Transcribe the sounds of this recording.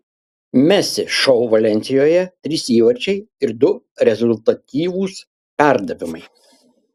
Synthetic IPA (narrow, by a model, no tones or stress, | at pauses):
mʲæsʲɪʃɔʊʋɐlʲɛnʲt̪sʲɪjoːjɛt̪ʲɾʲiːsiːʋɐɾʲt͡ʃʲɛɪɪɾd̪ʊ | ɾʲɛzʊlʲt̪ɐt̪ʲiːʋuːs | pʲæˑɾd̪ɐʋʲɪmɐɪ